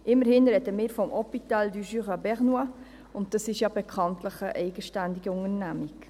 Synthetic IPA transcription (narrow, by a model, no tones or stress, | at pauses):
ʔɪməɾhɪnɾɛdəmɪːɾfɔmʔɔpit̪aːldyʒyʁɑbɛʁnwa | ʊnt̚d̥ɑsɪʃjɑːbɛkʰɑntləχəʔɛɪɡəʃtændiɡəʊŋəɾnæmik